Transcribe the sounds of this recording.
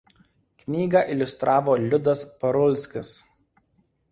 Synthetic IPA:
knʲiːɡɑˑʔɪlʲʊst̪ɾʔɑːʋoːlʲʊd̪ɐspɐɾʊlʲsʲkʲɪs

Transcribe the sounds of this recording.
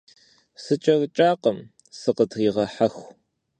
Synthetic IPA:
sɨt͡ʃʼɐrt͡ʃʼaːqəm | sɨqətʰʁiːʁɐħɐxʷ

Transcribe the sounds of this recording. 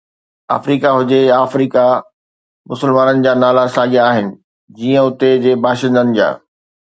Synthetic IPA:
a̰ːfɾiːkaɦʊd͡ʑeaːfɾiːka | mʊsəlmaːnənɪ̆d͡ʑaːnaːlasaːɡijaːɦɪnɪ̆ | d͡ʑiːə̃ʊt̪ed͡ʑeːbaːʃɪ̃nd̪ənɪ̆d͡ʑa̰ː

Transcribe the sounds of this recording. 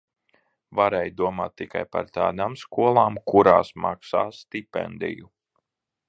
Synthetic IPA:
vaɾɛjd̪uɔmaːt̪ːika̰jpa̰ɾt̪a̰ːd̪aːmskuɔlˠaːmkuɾaːsmaksaːst̪ipɛ̰nd̪ḭju

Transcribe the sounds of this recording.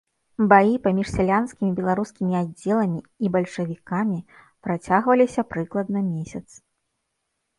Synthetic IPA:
bajipamʲiʂsʲalʲanskʲimʲibʲɛlˠaɾuskʲimʲiad͡zʲːɛlˠɐmʲiibɐlʲʂɐvʲikamʲi | pɾat͡sʲaɣvɐlʲisʲɐpɾɨklˠɐd̪̚nɐmʲesʲɐt̪s

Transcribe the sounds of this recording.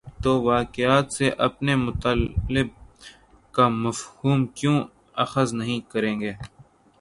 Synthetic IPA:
t̪oːʋaːkɪjaːt̪seʔɐpnemʊt̪aːlɪb̚ | kamɐfhuːmkjõː | ɐxəznɐɦĩkɐɾẽːŋɡeː

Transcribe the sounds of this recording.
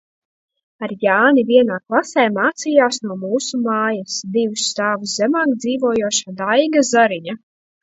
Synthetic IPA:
aɾjaːniviɛnaːklˠasɛːmaːt̪sijaːsnuɔmuːsumaːjasd̪iwusːt̪aːvuszʲɛmaːkd̪ziːvuɔjuɔʃad̪ajɡazaɾiɲa

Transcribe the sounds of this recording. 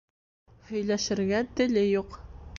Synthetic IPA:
hɵ̆jlæʃɘ̆ɾɡæt̪ɘ̆lɘjuq

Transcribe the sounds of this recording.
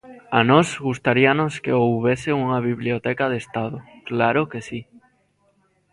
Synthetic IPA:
anɔzɣust̪aɾianoskeowβeseuŋaβiβliot̪ɛkað̞est̪aðʊklaɾokesi

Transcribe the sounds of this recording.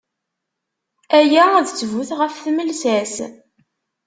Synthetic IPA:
æjææðt͡sːvuθʁəfθməlsæs

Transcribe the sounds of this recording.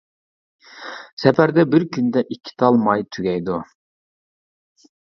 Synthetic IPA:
sɛpæɾd̪ɛbɪɾkʲʰynd̪ɛʔikʲʰːi̥t̪ʰɑlˠmɑjt̪ʰyɡʲɛjd̪u

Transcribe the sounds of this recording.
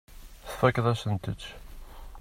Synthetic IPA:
θə̥fækðæsənt̪əʃ

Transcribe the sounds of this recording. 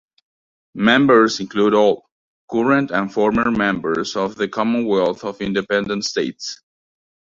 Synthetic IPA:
mɛ̃mbəɹzɪ̃nkluɾɔlˠ | kʰuɹə̃ntæ̃nfɔɹməɹmɛ̃mbə˞zɔvðɨkʰɑmə̃nwɛlˠθɔvɪ̃ndɨpɛ̃ndə̃ntsteɪts

